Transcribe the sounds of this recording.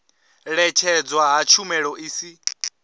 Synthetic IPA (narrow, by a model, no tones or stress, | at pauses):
ɺɛt͡ʃʰɛd͡zwaɦat͡ʃʰumɛɺɔʔiːsi